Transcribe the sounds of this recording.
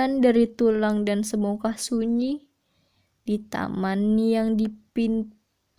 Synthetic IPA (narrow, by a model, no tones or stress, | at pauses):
andaɾit̪ulaŋdansəmukasuɲi | dit̪a̰manjaŋdipin